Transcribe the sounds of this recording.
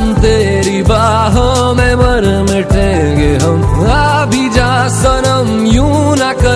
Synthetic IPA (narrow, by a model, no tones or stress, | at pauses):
mt̪eː | ɾibaː | ɦo | meməɾmeʈẽː | ɡeɦəma | bʱid͡ʒaː | sənəm | jũnakə